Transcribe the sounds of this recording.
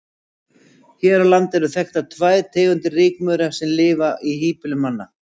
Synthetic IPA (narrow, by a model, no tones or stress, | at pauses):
çɛːɾalant̪ɛɾʏθɛxt̪at̪ʰvajðt̪ʰeːɣʏnt̪ɪrɪːkmœɾasɛmlɪːvaʔihiːpɪlʏmːanːa